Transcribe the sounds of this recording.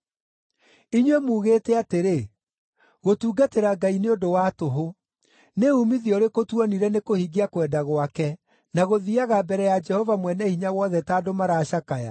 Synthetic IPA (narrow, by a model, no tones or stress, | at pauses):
iɲwɛmuːɣetɛateɾe | ɣotuːɡateɾaɡaineodowatoɦo | neumiðiɔɾekotwɔniɾɛnekohiɡiakwɛdaɣwakɛ | naɣoðiaɣabɛɾɛjad͡ʒɛhɔvamwɛnɛhiɲawɔðɛtaːdomaɾaːʃakaja̰